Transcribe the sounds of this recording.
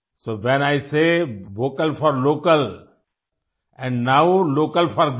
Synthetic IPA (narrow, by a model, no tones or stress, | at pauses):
soːʋɛ̃naɪseʋoːkəlfɔɾloːkəl | ɛ̃nnaʊloːkəlfɔɾɡ